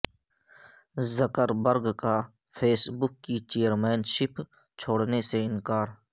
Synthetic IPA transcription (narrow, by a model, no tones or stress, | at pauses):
zəkəɾbəɾɡka | pʰeːsbʊkːit͡ʃeːjəɾmeːnʃɪpʰ | t͡ʃʰoːɽneseɪnkaːɾ